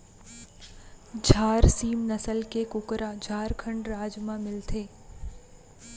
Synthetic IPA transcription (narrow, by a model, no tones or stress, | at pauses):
d͡ʒʱaːɾsiːmnəsəlkekʊkɾad͡ʒʱaːɾkʰə̃ɳɖɾaːd͡ʒmãmɪlt̪ʰeː